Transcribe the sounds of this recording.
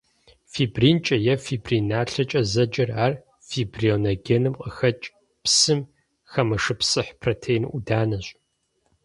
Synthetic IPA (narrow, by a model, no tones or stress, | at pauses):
fibriːnt͡ʃʼɐjɛfibrinaːɬɐt͡ʃʼɐzɐd͡ʒɐraːr | fibrionoɡʲenɨmqʼəxɐt͡ʃʼ | psɨm | xɐmɐʂɨpsʼɨħpʰroːtʰeːjnʔudaːnɐɕʼ